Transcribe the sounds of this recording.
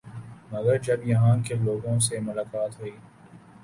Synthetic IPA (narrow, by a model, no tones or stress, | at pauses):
mɐɡəɾd͡ʒɐbjɐɦãkeloːɡõsemʊlaːkaːt̪ɦuiː